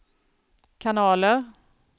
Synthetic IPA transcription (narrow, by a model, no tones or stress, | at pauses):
kʰanɑːləɾ